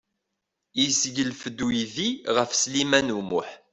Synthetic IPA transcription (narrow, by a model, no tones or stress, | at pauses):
jisʝəlfəd̪ːujiðiʁəfslimænumʊħ